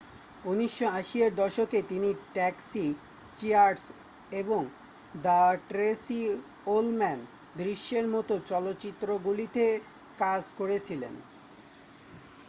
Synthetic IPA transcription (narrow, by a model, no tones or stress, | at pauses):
uniʃːoaʃieɾd̪ɔʃoket̪iniʈɛksi | t͡ɕiaɾɖs | eboŋ | d̪aʈɾesi | olmɛn | d̪ɾiʃːeɾmɔt̪ot͡ɕɔlotːɕit̪ːɾoɡulit̪e | kad͡ʑkoɾet͡ɕʰilḛn